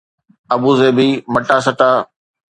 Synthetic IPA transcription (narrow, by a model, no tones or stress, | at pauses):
ɐbuːzeːbiːmɐʈaːs̬əʈaː